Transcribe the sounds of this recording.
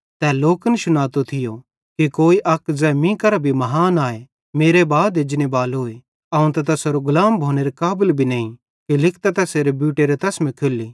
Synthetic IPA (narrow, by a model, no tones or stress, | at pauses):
t̪ɛːloːkənʃʊnaːt̪ot̪ʰɪjo | kikoːiʔɐkzɛmĩkɐɾabʱimɐɦaːnaːe | meːɾebaːd̪ed͡ʒnebaːlɦoːe | ɐũt̪ɐt̪̬ɐsoɾoɡʊlaːmbʱoːneɾekaːbəlbʱineːĩ | kilɪkʰt̪ɛt̪ɛseːɾebjuːʈeɾɛt̪ɛsmĩkʰelːi